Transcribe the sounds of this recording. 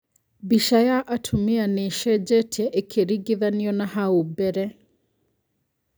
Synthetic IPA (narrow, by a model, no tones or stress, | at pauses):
biʃajaʔatʰumianeʃɛd͡ʒɛtʰɛʔekʰeɾiɡiðaniɔnahaubɛɾɛ